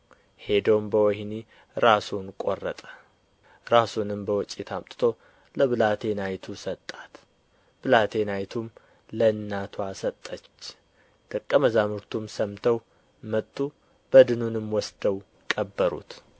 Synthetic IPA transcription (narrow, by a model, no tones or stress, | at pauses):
he̞d̪əwmbəwɔhni | ɾasunkʼorːət̪ʼə̥ | ɾasunɨmbəwɔt͡ʃʼit̪ʰamt̪ʼɨt̪ʰo̞ | ləβɨlat̪ʰe̞najt̪ʰusət̪ʼːat̪ | b̥ɨlat̪ʰe̞najt̪ʰum | lənːat̪ʰoasət̪ʼːət͡ʃː | d̪̥ʼəkʼːəməzamɨɾt̪ʰumsəmt̪ʰəw | mət̪ʼːu | b̥əd̪ɨnunɨmwɔsd̪̥əw | kʼəbːəɾṵt̪